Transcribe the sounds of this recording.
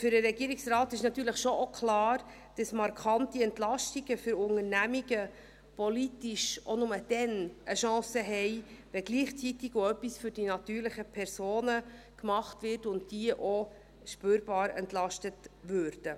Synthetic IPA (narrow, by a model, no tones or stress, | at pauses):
fʏɾəɾɛɡiəɾiksrɑːtɪʃnɑt̪ːyːɾləχʃoʔokʰlɑːɾ | d̥ɑsmɑɾkʰɑntiɛntlɑʃtiɡəfʏɾʊŋəɾnæmiɡə | pɔlitiʃʔonʊməd̥ɛnəʃɑ̃ːsəɦɛɪʋɛɡliːχt͡sitiɡoœpːisfʏɾd̥inɑtyːɾləχəpʰɛɾsoːnə | kmɑχtvɪrtʊntd̥iəʔo | ʃpøːɾb̥ɑːɾɛ̰ntlɑʃtətvøɾd̥ə